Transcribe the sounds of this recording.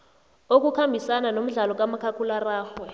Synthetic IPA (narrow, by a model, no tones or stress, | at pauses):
ok̬ukʰambʱisananom̩ɮalɔk̬amakʰakʰularaːxwɛ